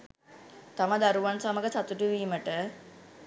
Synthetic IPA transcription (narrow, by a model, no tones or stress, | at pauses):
t̪ɐʋɐd̪ɐɾuʋɐnsɐmɐɡɐsɐt̪uʈuʋiːməʈə